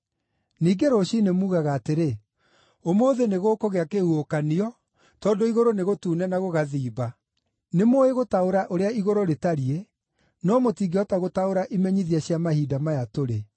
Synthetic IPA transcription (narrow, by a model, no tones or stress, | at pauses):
niːɡeɾoɕinemuːɣaɣaːteɾe | omoːðeneɣoːkoɣeakehuokaniɔ | tɔːndoiɣoɾoneɣotuːnɛnaɣoɣaðiːba | nemoeɣotaoɾaʔoɾeaiɣoɾoɾetaɾie | nɔmotiːɡeɔtaɣotaoɾaʔimɛɲiðiɛɕjamahiːdamajatoɾe